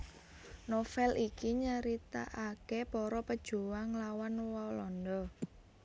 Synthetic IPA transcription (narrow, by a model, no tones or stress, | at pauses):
nofɛlʔikiɲəɾit̪a̰ʔakepɔɾɔpəd̥ʒ̥uwaŋlawanwɔlɔnd̪ɔ